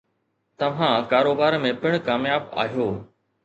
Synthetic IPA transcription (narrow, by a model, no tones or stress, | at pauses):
t̪ɐʋ̤ãkaːɾoːbaːɾmẽpɪɽ̃kaːmjaːba̰ːɦijoː